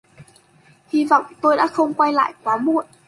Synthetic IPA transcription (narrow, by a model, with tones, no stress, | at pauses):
hi˧vɔ̰˧˨wŋ͡mt̪o˧jɗa̰ː˧˥xə˧wŋ͡mkwa˧jla̰ː˧˨jk̚waː˨˦mṵ˧˨ən